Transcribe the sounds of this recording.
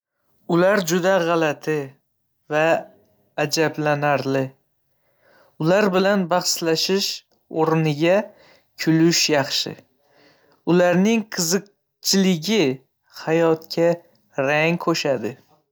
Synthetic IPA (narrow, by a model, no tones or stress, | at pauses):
ʊlaɾd͡ʒʊd̪aʁɑlat̪ʰɪ | vaː | d͡ʒablanaɾlɪ | ʊlaɾbɪlanbɑχʃlaʃɪʃ | oɾnɪɡʲa | kʲʰʊlʊʃjɑχʃɪ̰ | ʊlaɾnɪŋqʰɨzɨq̚ | t͡ʃʰɪlɪɡʲɪ | hajɒt̪kʲʰa | ɾaŋkʰoʃad̪ɪ